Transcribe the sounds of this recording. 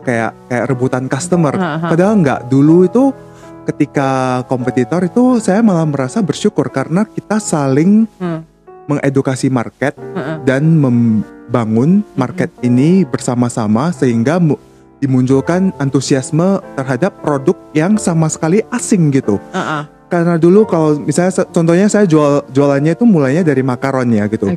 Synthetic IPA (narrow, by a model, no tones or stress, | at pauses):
kaja̰ʔkajaʔɾəbut̪ankast̪əmərpadaɦaŋɡa̰ʔduluit̪u | kət̪ikakompət̪it̪ɔɾit̪usajamalahməɾasabərʃukʊrkaɾənakit̪asalɪŋ | məŋʔedukasimarkɛt̪̚danməmbaŋʊnmarkɛt̪̚inibərsamasamasəɦiŋɡa | dimuɲt͡ʃʊlkanant̪usiasmət̪ərɦadapːɾodʊk̚jaŋsamasə̥kaliʔasɪŋɡit̪u | kaɾənadulukalawmisalɲast͡ʃɔnt̪ɔhɲasajad͡ʒuald͡ʒualanɲait̪umulajɲadaɾimakaɾɔnjaɡit̪u